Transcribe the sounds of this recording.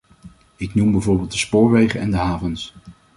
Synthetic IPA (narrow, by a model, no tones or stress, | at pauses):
ɪknumbɛjvʊːɹbɪːlˠt̚dəspoːɹʋejχənɛndəɦaːvəns